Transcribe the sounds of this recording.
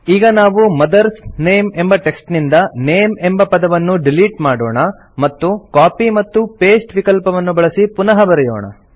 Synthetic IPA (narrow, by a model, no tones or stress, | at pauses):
iːɡɐnaːʋumɐd̪ɐɾsne̞ːmembɐʈeksʈnind̪ɐneːmembɐpɐd̪ɐʋɐnːuɖiliːʈmaːɽo̰ːɳɐ | mɐt̪ːukaːpimɐt̪ːupe̞ːsʈʋikɐlpɐʋɐnːubɐɭɐsipunɐɦɐbɐɾɛjo̰ːɳɐ̰